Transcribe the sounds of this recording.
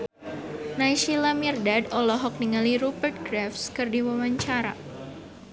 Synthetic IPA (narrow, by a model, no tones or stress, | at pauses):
najʃilamirdadɔlɔɦɔk̚niŋaliɾubərt̪̚ɡɾafskɨrdiwawaɲt͡ʃaɾa̰